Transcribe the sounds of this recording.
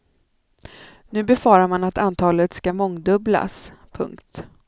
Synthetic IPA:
nʉ̟ːbɛfɑːɾaɾmanat̪ant̪ʰɑːlət̪skamɔŋd̪ɵbla̰spʰɵ̰ŋkt̪

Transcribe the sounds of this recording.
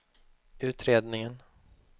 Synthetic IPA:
ʉ̟ːt̪ɾeːd̪nɪŋən

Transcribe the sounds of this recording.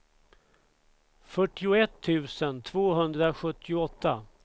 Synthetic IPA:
fœʈːɪʊɛt̪ʰːʉ̟ːsənt̪ʰv̥oːɦɵnd̪ɾaɧɵt̪ːɪʊɔt̪ʰːa

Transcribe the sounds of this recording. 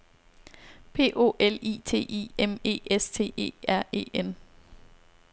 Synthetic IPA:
pʰe̝̰ːʔo̝̰ːʔelḭːt͡sʰe̝̰ːʔḭːeme̝̰ːest͡sʰe̝̰ːe̝̰ːæɐ̰e̝̰ːen

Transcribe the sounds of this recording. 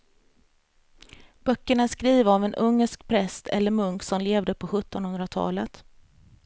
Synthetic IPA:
b̥œkːəɳaæʂkɾiːvaɔvɛnʔɵŋːəʂkpʰɾɛst̪ʰɛ̰lːəɾmɵŋksɔmleːvd̪əpʰɔɧɵt̪ːɔnhɵnd̪ɾat̪ʰɑ̰ːlət̪

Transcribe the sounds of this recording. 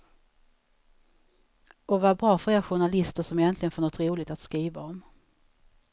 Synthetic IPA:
ɔvabɾɑːfœɾeːɾaɧʊɳalɪst̪əʂɔmɛjɛnt̪lɪɡənfœnɳɔt̪ɾuːlɪɡ̚t̪at̪skɾiːvaɔm

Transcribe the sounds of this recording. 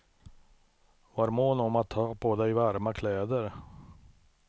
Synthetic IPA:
vaɾmoːnɔmat̪ʰːɑːpʰɔd̪ɛjvæɾmakʰlɛːd̪əɾ

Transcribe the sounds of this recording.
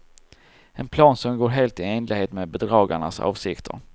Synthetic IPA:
ɛnpʰlɑːnsɔmɡoːɾɦeːlt̪ɪeːnlɪheːt̪meːbɛd̪ɾɑːɡaɳa̰sɑ̰ːvsɪkt̪ʰə̰ɾ

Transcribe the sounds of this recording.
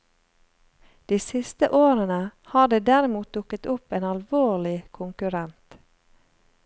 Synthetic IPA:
d̪̥iːsɪst̪əʔoːɾənəhɑːɖ̪eːd̪æɾɪmuːt̪̚d̪ʊkət̪ʊpeːnɑlʋoːlɪkʰʊŋkʉɾɛnt̪

